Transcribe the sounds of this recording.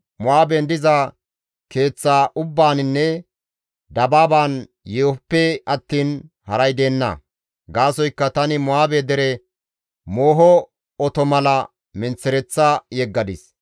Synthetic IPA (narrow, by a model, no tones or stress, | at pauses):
mʊaːbɛnd̪ɪzɐ | ke̞ːt͡sːaːʔʊbːaːnɪnːɛ | d̪ɐbaːbaːn | jeːpːɛɐt̪ːiːn | hɐɾɐjd̪e̞ːnːɐ̰ | ɡaːsɔjkːɐt̪ɐnɪmʊaːbed̪ɛɾɛ | moːɦɔ | ɔt̪ɔmɐlɐ | mɪnt͡sːɪɾɛt͡sːajɛɡːɐd̪ɪs